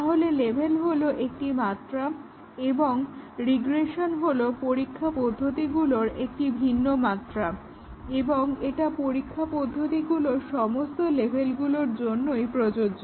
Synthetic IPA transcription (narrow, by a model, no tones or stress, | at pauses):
t̪aɦolelebʱelɦoloʔek̚ʈimat̪ːɾa | eboŋɾiɡɾeʃonɦolopoɾikʰːapɔd̪ʱːot̪iɡuloɾek̚ʈibʱinːomat̪ːɾa | eboŋeʈapoɾikʰːapɔd̪ʱːot̪iɡuloʃɔmost̪olebʱelɡuloɾd͡ʑonːojpɾod͡ʑod͡ʑo